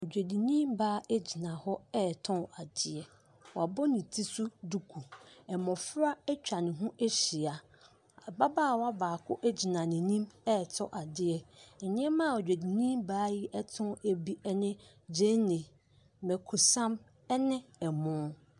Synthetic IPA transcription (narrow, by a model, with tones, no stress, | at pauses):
o˨d͡ʑᶣe˨di˨nĩ˦mbaː˦e˦d͡ʑi˨nã˨hɔ˦ɛː˦˨tʰʊ̃˦a˨dɪ˦ɛ˨ | wa˨bɔ˦nĩ˨tʰi˦su˦du˦kʰu˨ɛ˨mɔ̃˨fʊ˦ɾa˦ɛ˦t͡ɕᶣa˨nɪ̃˨ɦũ˦ʔe˦ɕi˨a˨ | a˨ba˦baː˦˨wɔ˦a˦baː˨kʰʊ˦ʔɛ˦d͡ʑi˨nã˨nɪ̃˨nĩ˦mɛ˦˨tʰɔ˦ʔa˨dɪ˦ɛ˦˨ɲɪ̃˦ɛ˦mã˦˨o˨d͡ʑᶣe˨di˨nĩ˦mbaː˦ji˦ʔɛ˦tʰʊ̃˦e˦bi˦ʔɛ˦nɪ̃˦ | d͡ʑẽ˦nɪ̃˨ | mɛ˨kʰo˨sã˦m | ɛ˦nɪ̃˦ɛ˨mʊ̃˦